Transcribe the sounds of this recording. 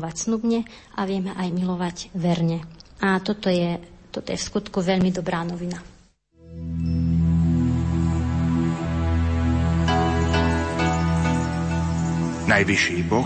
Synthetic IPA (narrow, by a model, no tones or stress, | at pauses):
ʋacsnubɲɛ | ʔaʋɪɛmɛʔajmilɔʋaɟʋɛɾɲɛat̪ɔt̪ɔjɛt̪ɔt̪ɔjɛfskut̪kuʋɛʎmid̪ɔbɾaːnɔʋina | najʋiʃiːbɔ